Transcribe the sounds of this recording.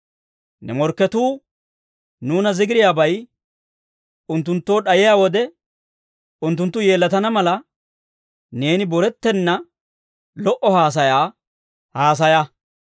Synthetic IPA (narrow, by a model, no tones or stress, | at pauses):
nɛ̰mɔɾkːɛt̪uː | nuːnɐzɪɡɪɾɪjaːbɐj | ʊnt̪ːʊnt̪ːo̞ːɗɐjɪjaːwɔd̪ɛ | ʊnt̪ːʊnt̪ːʊje̞ːlːɐt̪ɐnɐmɐlɐ | ne̞ːnɪbɔɾɛt̪ːɛnːɐ | lɔʔɔhaːs̬ɐjaː | haːs̬ɐjɐ